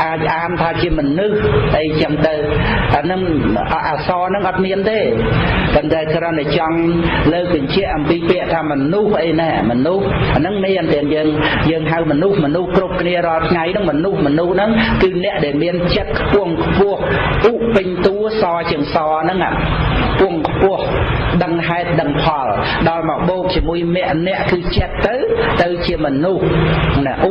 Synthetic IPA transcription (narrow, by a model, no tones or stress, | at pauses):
ʔaːc̚ʔaːnt̪ʰaːt͡ɕiəmɔnɨhʔəjt͡ɕəmt̪ɨwanɨŋʔʔaːsɑːnɨŋʔɑt̪̚miənt̪eːt̪ənt̪aɛkrənt̪at͡ɕɑŋləːk̚ɓɑɲt͡ɕɛ̆əʔɑmpiːpɛ̆əʔt̪ʰaːmɔnuhʔəjnamɔnuhanɨŋmiənt̪ɛənjəːŋjəːŋɦawmɔnuhmɔnuhkrup̚kʰniəɾŏəlt̪ʰŋajnɨŋmɔnuhmɔnuhnɨŋkɨːnɛ̆əʔɗaɛlmiənt͡ɕət̪̚kʰpʊ̆əŋkʰpʊ̆əhʔuːʔpɨɲt̪uəsɑːt͡ɕiəŋsɑːnɨŋa̰kʰpʊ̆əŋkʰpʊ̆əhɗəŋɦaɛt̪̚ɗəŋpʰɑl | ɗɑlmɑʔɓoːk̚t͡ɕiəmuəjmɛ̆əʔnɛ̆əʔkɨːt͡ɕət̪ːɨwt̪ɨwt͡ɕiəmɔnuhnʔu